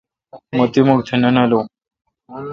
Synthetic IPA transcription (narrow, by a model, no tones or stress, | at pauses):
mət̪imukt̪ʰenənalo